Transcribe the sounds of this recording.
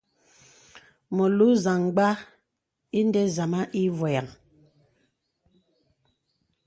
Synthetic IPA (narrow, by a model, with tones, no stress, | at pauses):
mɔ˨lu˦za˨ŋɡ͡ba˦ | i˦n˦dɛ˦za˨ma˦ʔi˦vɔ˨ja˨ŋ